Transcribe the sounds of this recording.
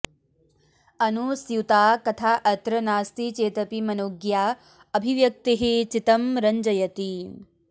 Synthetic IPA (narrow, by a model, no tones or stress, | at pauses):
ɐnusjut̪aːkɐt̪ʰaːʔɐt̪ɾɐnaːst̪it͡ʃeːt̪ɐpimɐnoːɡjaː | ɐbʱiʋjɐk̚t̪iɦet͡ʃit̪ɐmɾɐɲd͡ʒɐjɐt̪i